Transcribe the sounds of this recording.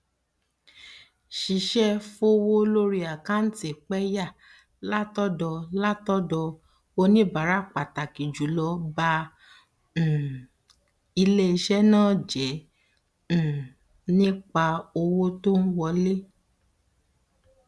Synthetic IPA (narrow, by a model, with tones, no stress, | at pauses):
ʃi˨˧ʃɛ˦fo˦wo˦lo˦ɾi˦a˨kã˦n̩˦ti˦˨k͡pɛ˦ja˦˨ | la˦tɔ˦dɔ˧la˦tɔ˦dɔ˧ | o˧nĩ˦˨ba˨˦ɾa˦˨k͡pa˨ta˨ki˨d͡ʒu˨˦lɔ˧ba˧˨ | i˧le˦i˧ʃɛ˦nãː˦˨d͡ʒɛ̃˨˦˨ | nĩ˦k͡pa˧o˧wo˦to˦n̩˦wɔ˧le˦